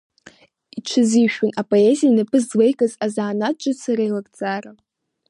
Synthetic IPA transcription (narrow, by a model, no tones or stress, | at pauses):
it͡ʃʷʰɨziʃᶣʊnapʼoezijanapʰɨzwejkʼazazʕanat͡ʃʼɨsaɾajlakʼt͡sʼara